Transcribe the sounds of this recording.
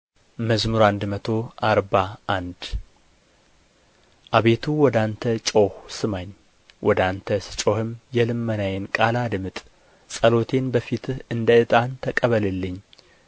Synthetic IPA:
məzmɨɾand̪mət̪ʰo̞ʔaɾbaʔand̪ | ʔaβe̞t̪ʰuwɔd̪ant̪ʰət͡ʃʼo̞hsɨmaɲː | wʔɔd̪ant̪ʰəst͡ʃʼo̞hɨmjɛlɨmːənajɛnkʼalad̪mɨt̪ʼ | sʼəlo̞t̪ʰe̞nbəfit̪ʰɨnd̪əɨt̪ʼant̪ʰəkʼəβəlɨlːɨɲː

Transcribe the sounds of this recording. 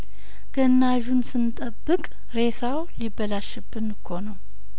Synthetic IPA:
ɡ̥ənːaʒunsɨnt̪ʼəbːɨkʼ | ɾe̞sawlibːəlaʃɨbːɨnkʰːo̞nəw

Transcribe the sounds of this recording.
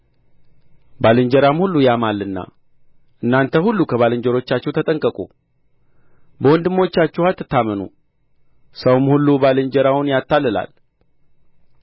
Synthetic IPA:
balɨɲd͡ʒəɾamhulːujamalːɨnːa̰ | ʔɨnːant̪ʰəhulːukʰəβalɨɲd͡ʒəɾo̞t͡ʃːat͡ʃːɛwt̪ʰət̪ʼəŋkʼəkʼṵ | bəwɔnd̪ɨmo̞t͡ʃːat͡ʃːɛhat̪ːɨt̪ʰːamənṵ | səwmhulːubalɨɲd͡ʒəɾawnjat̪ʰːalːɨla̰l

